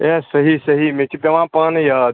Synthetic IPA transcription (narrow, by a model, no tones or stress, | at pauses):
esəɦisəɦimet͡ʃʰipeʋãːpənjad̪